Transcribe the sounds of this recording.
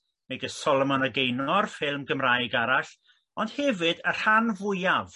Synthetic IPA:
meɡəsɔlˠɔmɔnəɡejnɔrfɪlˠmɡəmraːjɡaɾaɬ | ɔnd̥hɛvɨdər̥hanvʊjav

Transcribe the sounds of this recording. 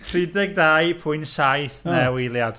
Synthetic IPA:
rɪdɛɡ̚daːjpʰʊɨnsajθnɛwilˠjad̥

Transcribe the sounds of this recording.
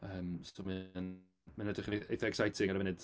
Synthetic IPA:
əːmsomɨn | manədɪχiɛjθɔɛksajtʰɪŋaɾəvɪnɨd̥

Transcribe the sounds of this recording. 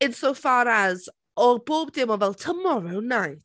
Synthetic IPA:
ɪ̃nsowfaːɾaz | ɔboːbdɪmɔvɛlˠtʰəmɔɹownːajθ

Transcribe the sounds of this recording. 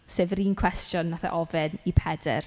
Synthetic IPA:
seːvɾiːnkʰw̥ɛstjɔnvaθa̰ʔɔvɛnipʰɛdɛ̰r

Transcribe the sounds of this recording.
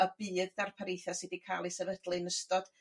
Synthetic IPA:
əbɨːdːarpʰaɾejθasɨdikʰaːlˠisɛvəd̥lˠɨnəstɔd̥

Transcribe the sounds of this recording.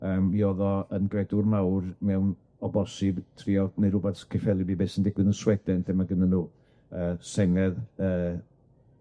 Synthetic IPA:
əːmiɔðɔənɡrɛdʊrnawrmɛwn | ɔbɔsɪbtʰriːɔneɾʊbɛθkʰɪfɛlˠibiːbeːsəndɪɡ̥wɨðənswɛdɛnθɛmaɡənənuː | əːsɛŋɛðəː

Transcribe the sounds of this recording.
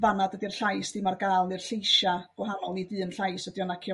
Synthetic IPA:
vanadədirɬajsd̥imarɡaːlˠnɨrɬejʃaɡ̥whɦanɔlˠnidɨːənɬajsədjɔnakʰjɔ

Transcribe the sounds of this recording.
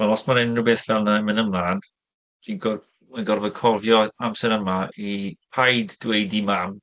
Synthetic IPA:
manɔsmaɾɪnnːuwbeːθvɛlˠnaɛmənəmlˠan | d̥inɡɔ | manɡɔrvɔkʰɔrvjɔamsɛɾəmaipʰajdːwejdimam

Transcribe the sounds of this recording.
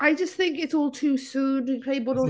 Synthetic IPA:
aɪd͡ʒʌsθɪ̃ŋkɪtsɔːlˠtʰʉːsʉ̃ːnɨ̃nkʰɹ̥eɪbəɾɔ

